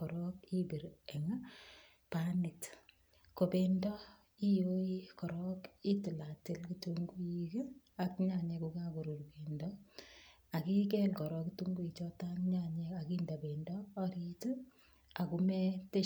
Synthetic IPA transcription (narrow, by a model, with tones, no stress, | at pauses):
kɔ˨ɾɔ˦ki˦bi˨ɾɛ˨ŋa˦ | panɪt | ko˨pendɔ˦ | i˦jo˦i˦kɔ˨ɾɔki˦tɪ˨la˨tɪ˦lkituŋɡu˦iki | a˨kɲa˦ɲe˧kuka˦ku˨ɾu˨rke˨ndɔ | a˨ki˦k̬ɛ˦lkɔ˨ɾɔ˦ktu˦ŋɡu˦i˨t͡ʃɔ˦ta˦ŋɲa˦ɲea˨ki˦nda˨be˨ndɔː˦ɾitu | a˨kumɛ˦te˦